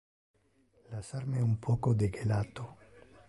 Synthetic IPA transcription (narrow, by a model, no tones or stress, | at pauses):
lasaɾmɛumpʰɔːkod̪eɡelat̪o